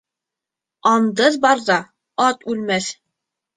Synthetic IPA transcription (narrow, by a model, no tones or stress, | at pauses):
ɑnd̪ɤðbɑɾðɑ | ɑt̪ʉlmæθ